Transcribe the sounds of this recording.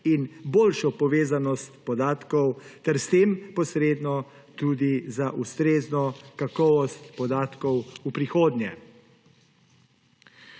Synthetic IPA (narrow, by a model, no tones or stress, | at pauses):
inboːlʃɔpɔʋeːzanɔst̪pɔd̪aːt̪kɔwt̪ɛɾst̪eːmpɔsɾeːd̪nɔ | t̪ud̪izaʔust̪ɾeːznɔkakɔʋɔst̪pɔd̪aːt̪kɔwupɾixoːd̪njɛ